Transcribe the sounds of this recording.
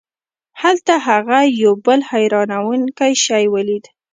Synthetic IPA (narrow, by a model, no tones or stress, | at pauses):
halt̪aɦaɣajawbəlhajɾɑnawuŋkajʃɑjwəlid̪